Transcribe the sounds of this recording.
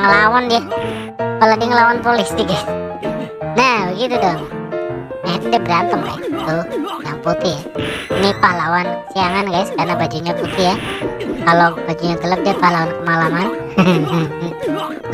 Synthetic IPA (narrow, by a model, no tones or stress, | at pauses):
ŋəlawandia | palaɡiŋəlawanpolisiɡas | nahbəɡit̪udɔŋ | nait̪udiabəɾant̪əmka̰jt̪ujaŋput̪ɪhjainipahlawansiaŋanɡajskarnabad͡ʒuɲaput̪ɪhjakalobad͡ʒuɲaɡələp̚diapahlawankəmalaman